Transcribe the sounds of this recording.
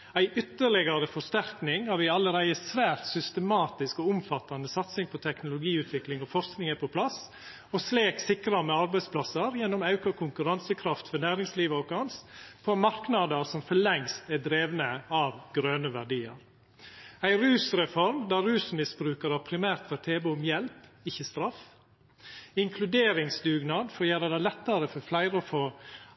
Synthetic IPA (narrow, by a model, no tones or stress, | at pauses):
æɪʔʏt̪ːəɭɛɡɑɾəfɔʂt̪æɾknɪŋhɑɾʋɪɑlːəɾæɪəsʋæːɾt̪sʏst̪əmɑːt̪ɪskɔʊmfɑt̪ːɑnəsɑt̪sɪŋpʰɔt̪ʰɛknʊlʊɡiːʉːt̪ʰʋɪklɪŋɔfɔɾsknɪŋəpʰɔpʰlɑs | ɔsleːksɪkɾɑmɛɑɾbæɪspʰlɑsəɾjɛnːɔmɑʉkɑkʰʊŋkʉɾɑnsəkʰɾɑft̪fɔɾnæːɾɪŋsliːʋəɔkʰɑnspʰomɑɾknɑd̪əɾsɔmfɔɭɛŋst̪æd̪ɾeːʋnəɑːʋɡɾøːnəʋæɖiːə̰ɾ | æɪɾʉːsɾɛfɔɾmd̪æɾʉːsmɪsbɾʉːkəɾɑʋpʰɾɪmæːɾt̪fɔɾt̪ʰeːbəʊmjɛlpɪçəst̪ɾɑf | ɪŋkʰlʉd̪eːɾɪŋsd̪ʉːɡnɑːd̪fɔɾjæːləd̪ɑlɛt̪ːəɾəfɔɾflæɪɾəɔfoː